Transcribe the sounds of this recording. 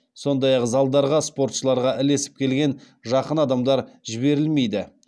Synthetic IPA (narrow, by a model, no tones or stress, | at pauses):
so̞nd̪ɑjɑqzɑlˠd̪ɑɾʁɑspo̞ɾt̪ʃəlˠɑɾʁɑʔɪle̞sɪ̥p̚kʲʰe̞lɡʲe̞n | ʒɑqənɑd̪ɑmd̪ɑɾʒɪbe̞ɾɪlme̞jd̪ɪ